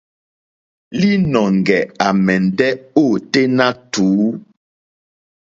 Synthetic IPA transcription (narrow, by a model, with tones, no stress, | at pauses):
li˦nɔ˨ŋ˨ɡɛ˨a˨mɛ˨n˨dɛ˦o˦˨te˦na˦tuː˨˦